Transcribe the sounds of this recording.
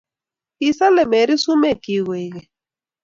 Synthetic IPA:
i˨sa˦lɛ˨mɛ˨ɾi˦su˦mɛ˦˨ki˨ɣwɛ˨ɣɛ˨

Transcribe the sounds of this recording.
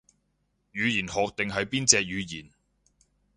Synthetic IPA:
jyː˨˧jiː˨˩nhɔː˨˧k̚t̪ɪ˨ŋɦɐ˨jpiː˥nt͡sɛː˧k̚jyː˨˧jiː˨˩n

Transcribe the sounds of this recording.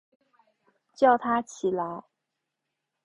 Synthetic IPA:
t͡ɕjɑ˥˩ʊt̪ʰa˥t͡ɕʰi˨˩la˧˥ɪ

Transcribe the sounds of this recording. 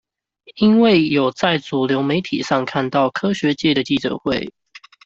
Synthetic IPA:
i˥nwe˥˨ɪjo˨˩ʊt͡sa˥˩ɪt͡su˨˩ljo˧˥ʊme˨˧˥ɪt̪ʰi˨˩ʂɑ˥˧ŋkʰa˥˧nt̪ɑ˥˩ʊkʰɤ˥ɕɥɛ˧˥t͡ɕjɛ˥˩d̪ə˩t͡ɕi˥˩ʈ͡ʂɤ̰˨˩xwe˥˩ɪ

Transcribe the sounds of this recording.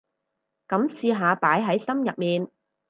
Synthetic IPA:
kɐ˨˥msiː˧ɦaː˨˧paː˨˥jɦɐ˨˥jsɐ˥mjɐ˨t̚miː˨n

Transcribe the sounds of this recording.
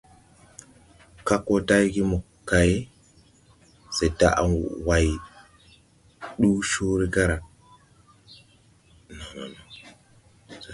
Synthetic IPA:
ka˦kːo˦ta˦jɡi˦mo˨ | kːa˨je˦ | se˨ta˦ʔa̰˨wa˨j | ɗu˦ʃu˦ɾi˦ka˦ɾa˨ | no˨na̰˨no˨

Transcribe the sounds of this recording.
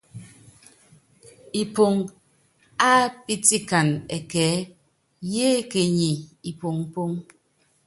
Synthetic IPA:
i˨po˨ŋ | a˦pi˦ti˦ka˨nɛ˨kɛː˨˦ | je˦ke˨ɲi˨i˨po˨ŋ̩˨˦po˦ŋ

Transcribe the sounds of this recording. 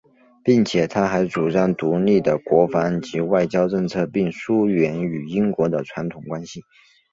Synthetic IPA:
pi˥˩ŋt͡ɕʰjɛ˨˩t̪ʰa˥xa˧˥ɪʈ͡ʂu˨˩ʂɑ˥˩ŋt̪u˧˥li˥˩d̪ə˩kwɔ˧˥fɑ˧˥ŋt͡ɕi˧˥wa˥˩ɪt͡ɕjɑ˥ʊʈ͡ʂɤ˥˧ŋt͡sʰɤ˥˧pi˥˩ŋʂu˥ɥɛ˧˥ny˨˩i˥ŋkwɔ˧˥d̪ə˧ʈ͡ʂʰwa˧˥nt̪ʰʊ˨˩ŋkwa˥nɕi˨

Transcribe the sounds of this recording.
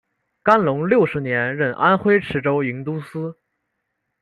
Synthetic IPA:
ka˥nlʊ˧˥ŋljo˥˩ʊʂɻ̩˧˥njɛ˧˥nɻə˥˩nʔa˥nxwe˥ɪʈ͡ʂʰɻ̩˧˥ʈ͡ʂo˥ʊi˧˥ŋt̪u˥sɹ̩˥

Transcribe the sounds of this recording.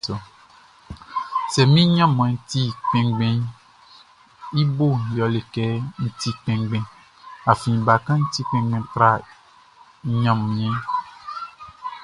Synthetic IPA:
ɔ˨ | sɛ˨mĩ˦ɲã˦m˨ɛ̃˨ŋ̩˨t̪i˦k͡pɛ̃˨ŋɡ͡bɛ̃˦ | i˦bo˦˨jɔ˨le˨kɛ˦ŋ̩˨t̪i˦k͡pɛ̃˨ŋɡ͡bɛ̃˨ | a˨fĩ˨ba˨kã˦ŋ̩˦t̪i˦k͡pɛ̃˨ŋɡ͡bɛ̃˨t̪ɾa˦ | ɲã˨mmĩ˨ɛ̃˦

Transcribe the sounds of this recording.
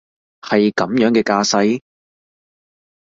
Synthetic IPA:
hɐ˨jkɐ˨˥mjœː˨˥ŋkɛː˧kaː˧sɐ˧˥j

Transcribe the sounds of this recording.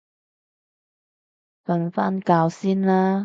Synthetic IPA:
fɐ˧nfaː˥nkaː˧wsiː˥nlaː˥

